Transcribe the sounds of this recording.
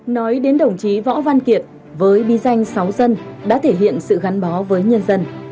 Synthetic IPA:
nɔ˨˦jɗe˨˦nɗə˨˧˩wŋ͡mt͡ɕi˨˦vɔ̰˧˥va˧nki˨˩ət̚ | vəː˨˦jɓi˨˦za˧jŋ̟sa˨˦wzə˧nɗa̰ː˧˥t̪ʰe˧˩ɦḭ˧˨ənsɨ̰˧˨ɣa˨˦nɓɔ˨˦vəː˨˦jɲə˧nzə˧n

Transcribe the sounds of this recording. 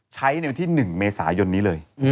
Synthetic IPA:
t͡ɕʰa˦˥jna˧jwa˧nt̪ʰiː˥˩nɯ˨˩ŋmeː˧sa̰ː˩˦jo˧nːiː˦˥lɤː˧j

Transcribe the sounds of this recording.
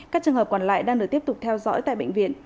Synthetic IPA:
kaː˦˥k̚t͡ɕɨ˨əŋɦəː˨˩p̚kɔ˨˩nla̰ː˧˨jɗaː˧ŋɗɨ˨˩t̪i˦˥əpt̪ʊ˨˩k͡p̚t̪ʰɛ˧wzɔ̰˧˥jt̪a̰ː˧˨jɓə̰˧˨ŋ̟vḭ˧˨ən

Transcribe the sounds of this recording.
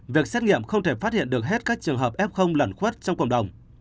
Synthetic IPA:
vi˨˩ək̚sɛ˦˥t̚ŋḭ˧˨əmxə˧wŋ͡mt̪ʰe˧˩faː˦˥t̚hḭ˧˨ənɗɨ˨˩ək̚ɦe˦˥t̚kaː˦˥k̚t͡ɕɨ˨˩əŋɦəː˨˩p̚ʔɛ˦˥p̚xə˧wŋ͡mlə˧˩nxwə˦˥t̚t͡ɕɔ˧wŋ͡mkə̰˧˩wŋ͡mɗə˨˩wŋ͡m

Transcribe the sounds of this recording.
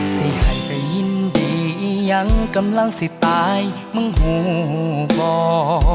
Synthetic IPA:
si˧˩jha˨˩jpa˨˩jɲi˧˥ndi˨˩ʔi˧ɲa˧˥ŋka˧mla˧˥˩ŋsi˧˥t̪aː˧˦j | mɯ˧˥˨ŋɦo˧˦˧bɔː˧

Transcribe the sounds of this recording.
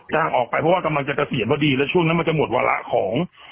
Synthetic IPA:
t͡ɕaː˧˩ŋʔɔː˨˩k̚pa˧jpʰɔ˦˥waː˥˩ka˧mla˧ŋt͡ɕa˨˩t̪a˧si˨˩˦nbɔː˧˩diː˧lɛ˦˥t͡ɕʰu˥˩˨ŋna˦˥ma˧nt͡ɕa˨˩mo˨˩t̪̚wa̰ː˧lʔa̰˦˥ʔkʰɔː˩˦ŋ

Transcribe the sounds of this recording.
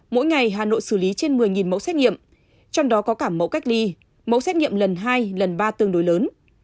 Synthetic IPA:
mo̰˧˥jŋa˨˩jɦaː˨˩no̰˧˨jsɨ˧˩li˨˦t͡ɕe˧nmɨ˨˩əjŋi˨˩nmə̰˧˥wsɛ˦˥t̚ŋḭ˧˨əm | t͡ɕɔ˧wŋ͡mɗɔ˨˦kɔ˨˦kaː˧˩mːə̰˧˥wka˦˥k̟̚li˧ | mə̰˧˥wsɛ˦˥t̚ŋḭ˧˨əmlə˨˩nɦaː˧jlə˨˩nɓaː˧t̪ɨ˧˩əŋɗo˨˦jləː˨˦n

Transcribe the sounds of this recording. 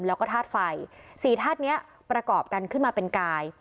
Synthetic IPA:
mlɛː˦˥wkɔː˥˩t̪ʰaː˥˩t̪̚fa˧jsiː˩˦t̪ʰaː˥˩t̪̚ni˦˥ɐ | pɾa˧kɔː˨˩p̚ka˧nkʰɯ˥˩nmaː˧pe˧nkaː˧j

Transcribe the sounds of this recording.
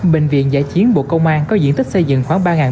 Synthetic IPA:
ɓï˨˩ŋ̟vḭ˧˨ənza̰ː˧˩jt͡ɕi˨˦ənɓo̰˧˨kə˧wŋ͡mʔaː˧nkɔ˨˦zḭ˧ənt̪ʰi˦˥k̚sə˧jzɨ̰˧˨ŋxwaː˧˩ŋɓaː˧ŋaː˨˩

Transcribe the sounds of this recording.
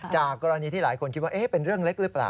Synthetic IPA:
t͡ɕaː˨˩kːɔː˧ɾa˧niː˧t̪ʰiː˥˩laː˩˦jkʰo˧nkʰt̪̚waː˥˩ʔe˦˥˩pe˧nɾɯ˥˩əŋle˦˥k̚ɾɯ˦˥pla̰ː˨˩

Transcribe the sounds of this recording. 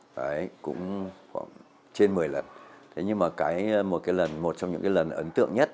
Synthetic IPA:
ʔə˨˦jkʊ̰˧˥ŋ͡mxwa̰ː˧˩ŋ | t͡ɕe˧nmɨ˨˩əjlə˨˩nt̪ʰe˨˦ɲɨ˧maː˨˩kaː˨˦jmo˨˩t̚kaː˨˦jlə˨˩nmo˨˩t̚t͡ɕɔ˧wŋ͡mɲɨ̰˧˥ŋkaː˨˦jlə˨˩nʔə˨˦nt̪ɨ̰˧˨əŋɲə˦˥t̚

